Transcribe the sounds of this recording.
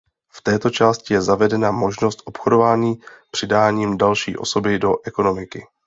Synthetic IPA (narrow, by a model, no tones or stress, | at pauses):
ft̪ɛːt̪o̞t͡ʃaːscɪjɛzavɛdɛnamo̞ʒno̞st̪ʔo̞pxodo̞vaːɲiːpr̝̥ɪdaːɲiːmdalʃḭːʔo̞̰so̞bɪdo̞ʔɛko̞no̞mɪkɪ